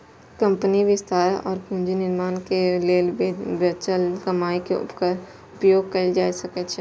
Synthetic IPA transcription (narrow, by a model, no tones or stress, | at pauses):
kɐ̃mpəniʋɪst̪aːɾɔ̰ːɾkũːnd͡ʒinɪɾmaːnkeleːbət͡ʃəlkɐmaːikeʊ̰pkəɾ | ʊpjoːɡ̚kɐid͡ʒaːisɐkət͡ʃʰi